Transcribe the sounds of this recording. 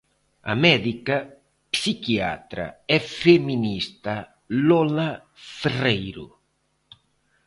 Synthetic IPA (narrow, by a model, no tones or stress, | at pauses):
a̰mɛðika | psikia̰t̪ɾa̰ɛfeminist̪a | lɔla | ferejɾṵ